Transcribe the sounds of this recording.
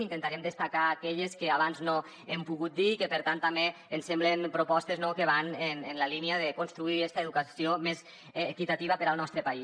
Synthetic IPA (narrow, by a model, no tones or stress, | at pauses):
int̪ent̪aɾɛmd̪əst̪akaːkɛʎeskeaβanzno | empuɣut̪̚d̪iːkepeɾt̪ant̪ːame | ensemblenpɾupɔst̪eznokeβ̞anenenlaliniaðekonst̪ɾuiɛst̪aeðukasiomesː | kit̪at̪iβ̞apəɾaəlˠnɔst̪ɾəpai